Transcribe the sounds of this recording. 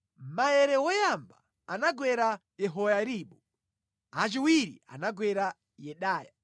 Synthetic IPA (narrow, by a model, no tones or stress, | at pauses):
majɛɾɛwɔjamba̰ | anaɡwɛɾajɛɦɔjaɾiːɓu | at͡ʃiwiɾḭa̰naɡwɛɾa | jɛɗaːja